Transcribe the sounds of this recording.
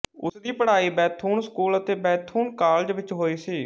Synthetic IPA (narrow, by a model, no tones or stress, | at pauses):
ʊ̰sd̪iːpəɽ̤aːiːbɛːt̪ʰuːnskuːlət̪eːbɛːt̪ʰuːnkaːld͡ʒʋɪt͡ʃɦoːiːsiː